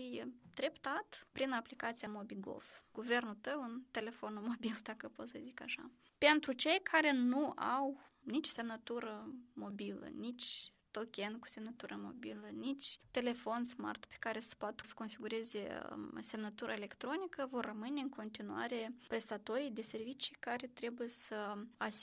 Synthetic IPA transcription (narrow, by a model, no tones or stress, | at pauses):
ɨjd̪̥ɾe̞pt̪at̪pɾinaplikat̪sijamo̞biɡo̞̰fɡ̥uve̞rnult̪əwɨnt̪e̞le̞fo̞nmo̞bild̪akəpo̞t̪səzika̰ʃa̰ | pe̞nt̪ɾut͡ʃe̞jkʰaɾe̞nua̰wnit͡ʃo̥se̞mnət̪uɾəmo̞bilə̰nit͡ʃʲ | t̪o̞kʲenku̥se̞mnət̪uɾʔəmo̞̰bilənit͡ʃʲt̪e̞le̞fo̞nsma̰rt̪pe̥kaɾesə̥pat̪ə̥sə̥ko̞nfiɡuɾe̞zḛse̞mnət̪uɾʔa̰ele̞kt̪ɾo̞nikəvo̞rːəmɨne̞ɨnkʰo̞nt̪inua̰ɾe̞pɾe̞st̪at̪o̞ɾijd̪e̞se̞rvit͡ʃikaɾe̞t̪ɾe̞bujesəas